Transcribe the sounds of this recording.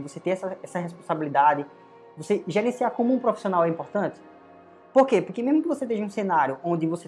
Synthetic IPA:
ɪvoset̪ẽɛsɐɛsɐɦespõsabilid̪adɪ | voseʒeɾẽsiakõmʊũpɾofi̥siõnawɛĩmpoɾt̪ɐ̃t͡ʃ̪ɪ̥ | poɾkepoɾkemezmʊkɪvoset̪eʒɐ̃ũsẽnaɾjʊʔõd̪ɪvose

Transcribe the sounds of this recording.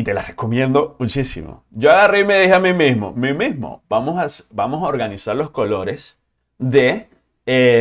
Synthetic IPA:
it̪e̞la̰reko̞mjend̪o̞mut͡ʃisḭmo̞̰d͡ʒoaɣarime̞ðiheamimizmo̞̰mimizmo̰bamosasbamo̞saoɾɣanisaɾlo̞sko̞lo̞ɾe̞s | ðe | e

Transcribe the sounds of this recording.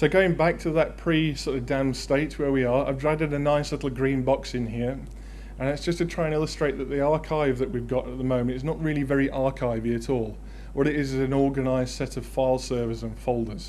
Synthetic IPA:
səʊɡoʊɪ̃ŋbak̚tʰəðət̚pʰɹ̥isɔɾəvdæ̃msteɪt̚wə˞wiə˞a̰ɪvdɹadɨɾənaɪslɪɾˡl̩ˠɡɹĩːnbɑksɨ̃nɦiəɹ | ə̃nɨtsd̥ʒ̥ʌstʰɨtʰɹ̥aɪə̃nɪlˠəstɹ̥eɪʔ̪̚ðəʔ̪̚ðiɑɹkʰaɪvðəʔwivɡɑɾət̪̚ðəmõʊ̃mɨ̃ntɨznəʔɹɪəlˠivɛɹiʔɑɹkʰaɪviɨɾɔːlˠ | wʌɾɪɾɪzɨ̃nɔɹɡɨnaɪz̥sɛɾəv̥faɪlˠsɜ˞vɪzə̃nfoʊlˠdə˞z̥

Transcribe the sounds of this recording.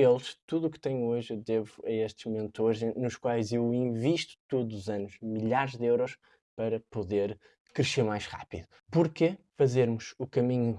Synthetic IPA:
elˠʃt̪uðukt̪ɛɲuoʒd̪evuɐeʃt̪ʒmumẽnt̪oɾʒnuʃkwajzewĩviʃt̪u̥t̪uðuuzɐnuʃmiʎaɾʒd̪ewɾɔʃ | pɐɾɐpuðeɾ | kɾɨʃeɾmajʒʁa̰pḭðu | puɾkefɐzeɾmuʃukɐmiɲu

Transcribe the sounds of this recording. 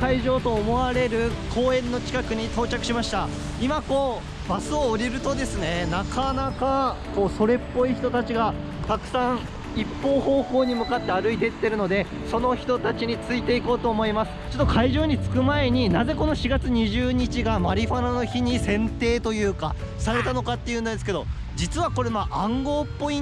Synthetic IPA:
kaiʑo̞ːt̪o̞ːmo̞βaɾe̞ɾɯ̟kʰo̞ːẽ̞nːo̞kʲi̥kakɯ̟ɲ̟it̪o̞ːt͡ɕakɯ̟ɕimaɕi̥t̪a | imako̞ː | basɨoːɾʲiɾɯ̟t̪o̞d̪e̞sɨne̞nakanaka | ko̞ːso̞ɾe̞pːo̞içi̥t̪ot̪at͡ɕiɡa | t̪akɯ̟̥sãɰ̃ | ipːo̞ːhoːkoːɲ̟imɯ̟kat̪ːe̞aɾɯ̟id̪e̞t̪ːe̞ɾɯ̟no̞d̪e̞ | so̞no̞çi̥t̪ot̪at͡ɕiɲ̟it͡sɨit̪e̞iko̞ːt̪o̞ːmo̞imasɨ̥t͡ɕo̞t̪ːokʰaiʑo̞ːɲ̟it͡sɨ̥kɯ̟mae̞ɲ̟inaze̞ko̞no̞ɕiɡat͡sɨɲ̟iʑɨːɲ̟it͡ɕiɡamaɾʲiɸanano̞çiɲ̟isẽ̞nt̪e̞ːt̪o̞jɯ̟ːka̰saɾe̞t̪ano̞kat̪ːe̞jɯ̟nad̪esɨ̥ke̞d̪o̞̰ | d͡ʑit͡sɨβako̞ɾe̞maʔãŋɡo̞ːpːo̞i

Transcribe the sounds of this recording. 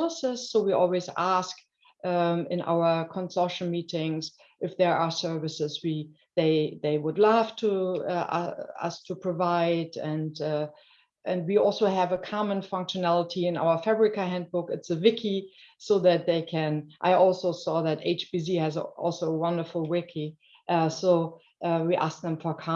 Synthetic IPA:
ləsɪsːoʊwiʔɔ̰lˠwizæsk | ɪ̃nʔa̰ʊə˞kʰə̃nsɔʊʃl̩mitɪ̃ŋz | ʔɨfðə˞asɜ˞vɨsɪzwi | ðeɪðeɪwʊdˡlæftʰuʌ̰ʌ̰stʰəpʰɹ̥ɨvaɪdɨ̃nd | ʔɨ̃nd̚wiɔlˠsoʊɨvəkʰɑmə̃nfʌ̃ŋkʃɨnælˠətʰiɨ̃na̰ʊə˞fæbɹɨkɨhæ̃nd̚bʊkɨtsɨvɪkʰi | soʊðɨt̪̚ðeɪkʰɨ̃nʔa̰ɪʔɔlˠsoʊsɔðɨtḛɪt͡ʃb̥isihɨzʔɔ̰lˠsoʊəwʌ̃ndə˞fl̩ˠwɪkʰi | ʔsoʊ | ʔwiʔæ̰sk̚ðə̃mfə˞kʰɑ

